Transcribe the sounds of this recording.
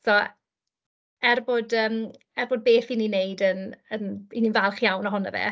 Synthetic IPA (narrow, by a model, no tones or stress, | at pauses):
so | ɛrbodəːm | ɛrboːd̚beːθininejdənənininvalˠχjawnɔɦʊna̰vɛ̰ː